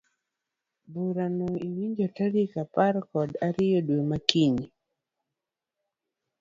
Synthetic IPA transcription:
buɾanoiwiɲd͡ʒotaɾikaparkɔdaɾɪjodwomakiɲi

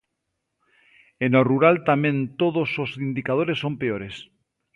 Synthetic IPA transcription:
enoruɾalt̪amẽnt̪oðososind̪ikað̞oɾesːompeoɾes

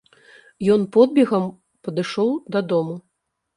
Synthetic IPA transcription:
jɔnpɔd̪̚bʲɛɣɐm | pɐd̪ɨʂɔwd̪ɐd̪ɔmu

